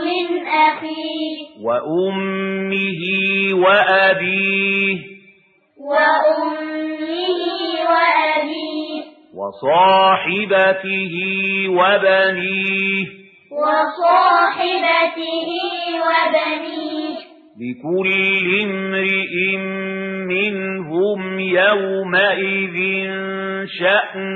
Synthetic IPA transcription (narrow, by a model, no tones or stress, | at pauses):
mɪnʔaxiːwaʔʊmːɪɦɪwaʔabiːh | waʔʊmːɪhɪwaʔabiːh | wɑ̰sˤɑːħɪbat̪ɪhɪwabaniːh | wɑsˤɑːħɪbat̪ɪhiwabaniːh | lɪkʊlːɪmɾɪʔɪmːɪnɦʊmjawmaʔɪðɪnn | ʃaʔ